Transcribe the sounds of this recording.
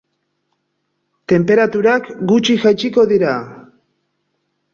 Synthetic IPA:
t̪e̞mpe̞ɾat̪uɾakɡut͡ʃiʝajt͡ʃiko̞ðiɾa

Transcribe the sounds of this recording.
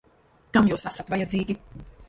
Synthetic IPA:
kamjuːsasat̪vajɛd̪ziːɡʲi

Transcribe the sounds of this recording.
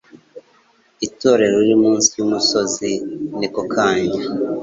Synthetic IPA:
ito̞ːɾe̞ɾoiɾimuːnsi̥jumuso̞zinikokʰaːɲɟa

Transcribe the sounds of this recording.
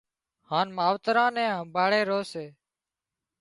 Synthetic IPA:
haːnmaːʋt̪ɾãːnɛ̃ːɦə̃mbʱaːɭeːɾoːseː

